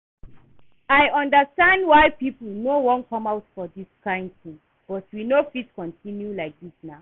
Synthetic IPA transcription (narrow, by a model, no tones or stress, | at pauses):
aɪʌ̃ndəstãnd̚waɪpipl̩ˠnowɔ̃nkʰʌ̃maʊtfɔðiskʰãɪ̃ndθĩŋ | b̥ɔtwinofitskɔ̃ntʰĩnjulaɪk̚ðisnaʊ